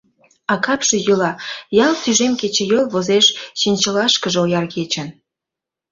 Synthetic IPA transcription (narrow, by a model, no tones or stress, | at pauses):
ɑkɑpʃĕjəlɑjɑlt̪yʒemket͡ɕĕjolβozeʃʃinʲt͡ɕəlɑʃkəʒeojɑrɣet͡ɕən